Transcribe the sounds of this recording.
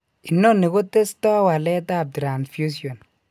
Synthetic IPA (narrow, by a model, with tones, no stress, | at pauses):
i˨nːo˦nːi˨ɡo˦te˦stɔ˦wa˨lɛ˦ta˦˨b̚tɾa˨nsfju˦sjɔ˨n